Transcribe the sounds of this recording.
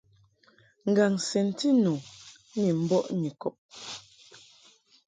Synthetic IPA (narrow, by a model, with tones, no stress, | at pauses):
ŋ̩˨ɡa˨ŋsɛ˨n˦ti˦nu˨˦ | ɲi˨m̩˦bɔ˦ʔɲi˨kɔ˨p̚